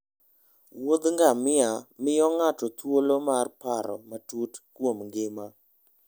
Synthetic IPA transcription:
wod̪ŋɡamɪamɪjɔŋatɔt̪wolomarpaɾɔ̰matutkwomŋɡɪma

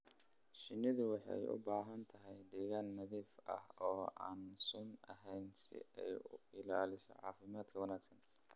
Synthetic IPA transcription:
ʃɪnːɪðʊwɑħɑ̰jʊ̰baːɦɐnt̪ʰɐɦɛjɖiɣɐnːɐðiːfɐ̰hɔːʔaːnsʊnɐɦɛjnsɪ̰ɛjʊɪlaːlɪsɔ̰ʕɑ̰ːfɪmaːd̪kʰɐwɐnaːɡsɐn

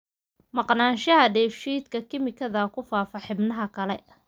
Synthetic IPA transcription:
mɑqnaːnʃɐɦɐɖɛːfʃiːd̪kʰɐkʰɪmɪkʰɐðɐkʰʊfaːfɐħɪbnɐɦɐkʰɐlɛ

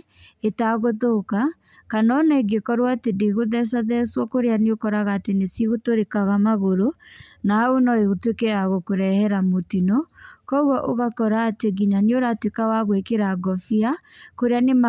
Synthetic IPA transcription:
etaɣoðoka | kanɔnaeɡekɔɾwatedeɣoðɛs̬aðɛswɔkoɾejaneokɔɾaɣaːtenesiɣotoɾekaɣamaɣoɾonaaonɔeɣotwekeaɣokoɾɛhɛɾamotinɔkɔuɣɔʔoɣakɔɾaːteɡiɲaneoɾatwekawaɣwekeɾaɡɔfiakoɾeanema

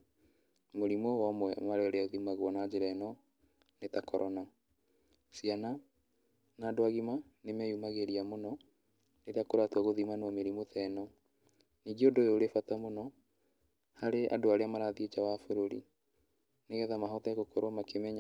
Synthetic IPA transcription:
moɾimɔwamwɛmaɾeɔɾeaoðimaɣwɔnad͡ʑeɾɛnɔ | netakɔɾʔɔna | siana | naːdoaɣima | nemɛjumaɣeɾiamonɔ | neɾeakoɾatwaɣoðimanɔmeɾimotɛnɔ | niːɡeodoeoɾefatamonɔ | haɾeʔa̰doaɾeamaɾaðiet͡ʃawafoɾoɾḭ | neɣɛðamaɦɔtɛɣokɔɾwamakemɛɲa

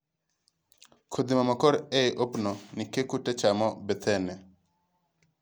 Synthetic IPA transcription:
kʰod̪imamɔkɔɾɛʔopnɔnikekutɛt͡ʃamɔbɛt̪ʰɛnɛ

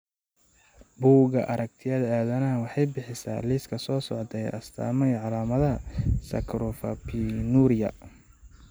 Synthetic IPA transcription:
buːɣɐʔɐɾɐk̚t̪ʰɪjɐðɐaːðɐnɐɐwɑħɑjbɪħɪsa̰ːliːskʰɐsɔːsɔʕt̪ʰɛjɐ̰st̪ʰa̰ːmɛjʕɑlaːmɐðɐɦɐsɐ̰kʰɾʊfɐpʰinuːɾɪjɐ̰

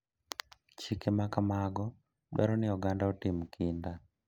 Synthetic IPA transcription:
t͡ʃikemakamaɡɔ | ɗwɛ̰ɾɔnɪɔɡandaɔtimkʰinda

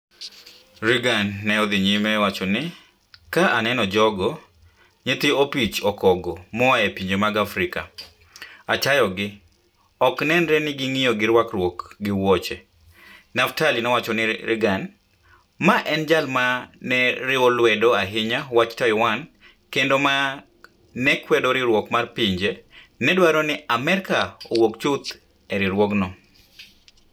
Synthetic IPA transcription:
ɾɪɡanːɛɔd̪ɪɲimɛwat͡ʃɔnɪ | kaʔanɛnɔd͡ʒɔɡɔ | ɲet̪iopit͡ʃɔkɔɡɔmɔaepiɲd͡ʒemaɡafɾɪka̰ | at͡ʃajɔɡɪ | ɔknɛnɾɛnɪɡɪŋɪjɔɡɪɾwakrwokɡɪwɔt͡ʃe | naftalinɛwat͡ʃɔnɪɾɪ̰ɡan | maʔɛnd͡ʒalmanɛɾɪɔlwɛdɔaɦɪɲawat͡ʃtajɔwan | kendoma | nɛkwɛdoɾɪɾwɔkmarpiɲd͡ʒenɛdwaɾɔnɪamɛɾkaowokt͡ʃut̪ | ɛɾɪɾwɔɡnɔ

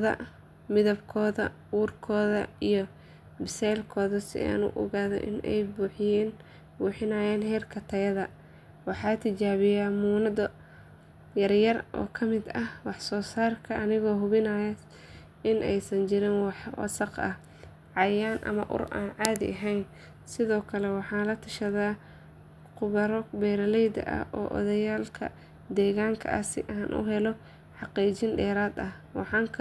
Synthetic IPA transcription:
ðɐ̰ | mɪðɐbkʰɔːðɐ̰ | uːrkʰɔːðɐ̰ijɞ | bɪsɛːlkʰɔːðɐsɪ̰a̰ːnʊ̰ʔɔ̰ɣaːðɔ̰ʔɪ̰nɛ̰jbuːħɪjɛːn | buːħɪnɐːjɛːnhɛːrkʰɐt̪ʰɐjɐðɐ | wɑħɑːt̪ʰɪt͡ʃaːβɪjaːmuːnɐdɐ | jɐrjɐrʔɔ̰ːkʰɐmɪd̪ɐhwɑħsɔːsaːrkʰɐʔɐnɪɣɔːɦʊβɪnɐjɐ | ɪnʔɛjsɐnt͡ʃɪɾɪnwɑħwɐ̰sɑqɐ̰h | ʕɑjaːnʔɐ̰mɐ̰ʔʊ̰rʔa̰ːnʕɑːðɪ̰ʔɐɦɛjn | sɪðɔːkʰɐlɛwɑħɑːnlɐt̪ʰɐʃɐðaː | qʊβɐɾɔbɛːɾɐlɛjd̪ɐ̰ʔɐ̰ʔɔ̰ːʔɔ̰ðɐjaːlkʰɐ̰ | d̪ɛːɣaːŋkʰɐ̰ʔɐ̰sɪ̰ʔaːnʔʊ̰ɦɛlɔ | ħɑqiːt͡ʃɪnɖɛːɾaːd̪ɐh | wɑ̰ħɑːŋkʰ

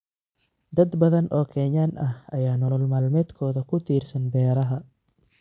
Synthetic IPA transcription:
d̪ɐd̪bɐðɐnʔɔːkʰɛɲanʔɐhɐjaːnɔːlɔlmaːlmɛːd̪kʰɔːðɐkʰʊt̪ʰiːrsɐnbɛːɾɐɦɐ

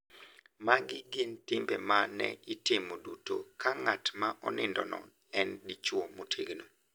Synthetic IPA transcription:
maɡɪɡɪntɪmbɛmanɛ̰itɪmodutokaŋatmaʔɔnɪndɔnɔ̰ | ɛndit͡ʃwomotʰeɡno

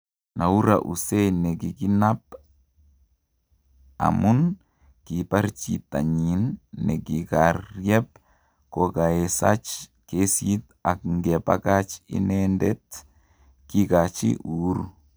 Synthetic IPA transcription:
nauɾa̰ʔṵsɛjnɛkikinap̚ | a̰mun | kipart͡ʃit̪aɲinːɛkikarjɛp̚ | kɔkaɛsa̰t͡ʃkesit | ak̚ŋɡɛpa̰kat͡ʃḭnɛndɛt̪ | kikat͡ʃḭʔuɾu

